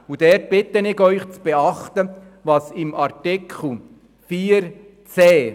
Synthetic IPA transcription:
ud̪ɛɾt̚b̥ɪt̪ːənɪɡœʏχt͡sb̥ɛɑχt̪ə | ʋɑsɪmɑɾtikʰl̩ | fiːəɾ | t͡sɛː

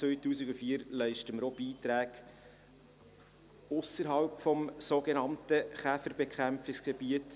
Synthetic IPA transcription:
t͡sʋœɥtuːsɪɡufiːɾlɛɪʃtəməɾob̥iːtɾæːɡ̥ | ʊsəɾɦɑlpfɔmsoːɡenɑmtəχæfəɾbekχæmfɪksɡ̥eb̥iət

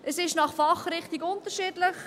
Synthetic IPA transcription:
ʔəsɪʃnɑχfɑχɾɪχtiɡʊntəɾʃiːdləχ

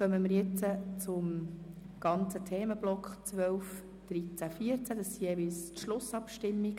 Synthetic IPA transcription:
χœməməɾjɪt͡sət͡sʊm | ɡ̥ɑnt͡sətʰeːməb̥lɔkχt͡sʋœlf | d̪̥ɾit͡sæfiəɾt͡sæd̥̪ɑsːijeːvilstʃlʊsɑpʃtɪmːik

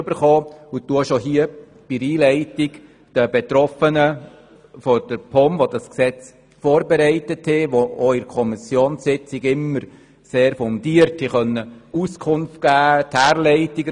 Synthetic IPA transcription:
b̥əɾχɔːutuʃoɦiə | b̥iɾiːlɛɪtɪk | d̥əbɛt̪ɾɔfənə | fɔd̥əɾpʰɔmʋodɑsksɛt͡s | fɔːɾbɛɾɛɪtəthɪʋooɪɾkʰɔmisjoːnsɪt͡sɪɡɪmːəɾ | seːɾfɔnd̥iəɾthiχœnːəuskʰʊnft̚ɡ̥æːthæːɾlɛɪtɪɡə

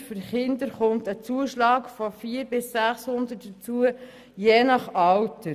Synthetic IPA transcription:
fəɾχɪnd̪əɾχʊntət͡suəʃlɑːkfɔfiːəɾbɪsːæχshʊnd̪ət̚d̥ət͡suə | jeːnɑχɑwtə

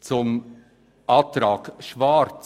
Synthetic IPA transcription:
t͡sʊm | ʔɑːt̪ɾɑːɡʃvaɾt͡s

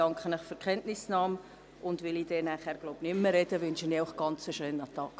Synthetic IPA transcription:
ɑŋkχənəχfyɾkχɛntnɪsnɑːm | ʊndʋɪlid̥ɛːnæχhæːɾɡ̥loʊbnɪmːəɾɛd̥əʋɪnʃiniʊχɡ̥ɑnt͡soʃøːnɑt̪ɑːk

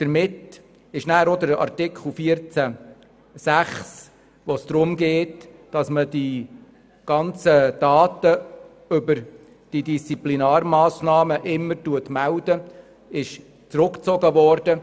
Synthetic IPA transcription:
d̪̥əɾmɪt | ɪʃnæːɾod̪əɾɑ̰rtɪkʰχl̩fiəɾt͡sæ | sæχs | ʋosd̥̪ɾʊmɡeːtd̥ɑsməd̥i | ɡ̥ɑnt͡səd̥ɑːtə | ʏbəɾ | d̥idist͡siplinɑːɾmɑːsnɑːməʔɪmːəɾtuətmældə | ɪʃ | t͡sɾʊkt͡sɔɡəʋɔɾd̥ə

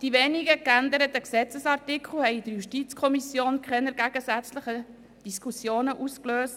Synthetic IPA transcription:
d̥iʋeːniɡəkænd̪əɾətəksɛt͡səsɑrtɪkʰl̩hɛɪid̥əɾjuʃtit͡skʰɔmisjoːnkʰχɛnəɾɡæɡ̥əsæt͡sləχə | d̥iskʰusjoːnəʔuskløːst

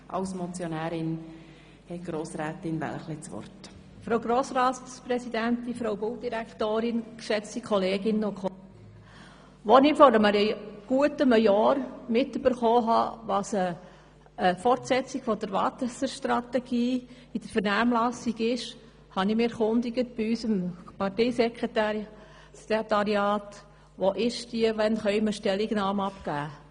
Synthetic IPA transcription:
ʔɑ̰lsmɔt͡sjonæːɾɪn | hɛt̚ɡ̥ɾoːsɾɛːt̪ɪnvæ̰lχlɪt͡sʋɔ̰rt | fɾowɡɾoːsɾɑːttpɾɛsid̪ænt̪ifɾowbowd̥iɾæktoːɾɪnkʃɛt͡stikʰɔleːɡɪnːokʰɔ | ʋonɪfɔɾəməɾəɡ̥uətəməjɔːɾmɪtyb̥əɾχoːɦɑ̰ːʋɑsəː | fɔrtsɛt͡siɡ̥fɔd̥əɾʋɑ̰t̪əsəɾʃt̪rɑtɛɡ̥iː | id̥əɾfəɾnæːmlɑsiɡɪʃ | hɑnɪmɪɛɾχʊnd̪iɡət̚b̥iysəmpɑteɪsɛkʁeta | sket̪ɑɾjɑːt | ʋoʔɪʃdiəʋɛnχœʏməʃtɛliɡnɑːmɑpɡ̥æː

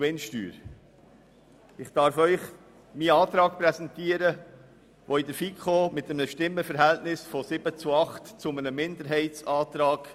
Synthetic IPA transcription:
ʋenʃty̰ːɾ | ɪχd̥ɑɾfœʏχ | miɑːt̪ɾɑːk̚pɾɛsɛntiəɾə | ʋɔɪd̪əɾfikʰomɪt̪əmnəʃtɪmːəfəɾɦɛltnɪsfɔsɪb̥ət͡suɑχtt͡sʊmənəmɪnd̪əɾɦɛɪtt͡sɑːt̪ɾɑːɡ̥

